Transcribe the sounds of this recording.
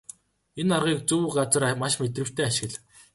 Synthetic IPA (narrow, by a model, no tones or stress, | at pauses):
enarʁiːk̚t͡suːɢat͡sə̆rmaʃmet̪rɘ̆w̥t̪ʰeːaʃɪ̆ɣ̆ɮ